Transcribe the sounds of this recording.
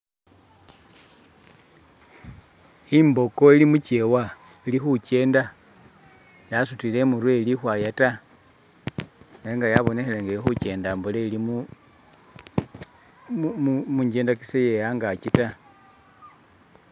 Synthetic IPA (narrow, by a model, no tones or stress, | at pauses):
imbo̞ko̞ilimucewa | ilixuce̞ːnda | jasutile̞muɾwelixwajata | eeŋɡajaβo̞nexeleŋɡeixut͡ʃe̞ːndaːmbuleilimu | mmuɲɟe̞ːndaki̥sejejaŋɡat͡ʃita